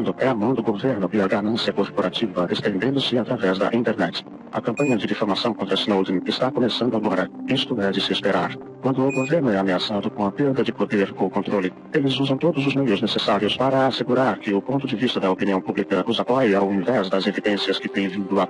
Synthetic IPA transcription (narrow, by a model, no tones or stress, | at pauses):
nd̪ʊʔɛamɐ̃w̃d̪ʊɡoveɾnʊɪɐɡanɐ̃siɐkoɾpoɾat͡ʃivɐd̪est̪ẽnd̪ẽnd̪ʊsɪat̪ɾavɛzd̪ɐ̰ʔĩnt̪eɾnɛt͡ʃɪ̥ | ɐ̰kɐ̃mpɐ̃ɲɐd͡ʒɪd̪ifoɾmasɐ̃w̃kõnt̪ɾɐsnowd̪ĩŋɪst̪akomesɐ̃nd̪ʊaɡɔɾɐĩst̪uɡaɾd͡ʒɪsɪespeɾaɾ | kwɐ̃nd̪ʊːɡoveɾnʊɛameasad̪ʊkõw̃ɐpeɾd̪ɐd͡ʒɪpod̪eɾkõkõnt̪ɾolɪ | elɪzuzɐ̃w̃t̪od̪ʊzʊzmejʊznesesaɾiʊspaɾɐːseɡuɾaɾkɪʊpõnt̪ʊd͡ʒɪvist̪ɐd̪ɐopiniɐ̃w̃publikɐuzakajiawĩvɛzd̪ɐzevid̪ẽsiɐskɪt̪ẽj̃vĩnd̪ʊɐ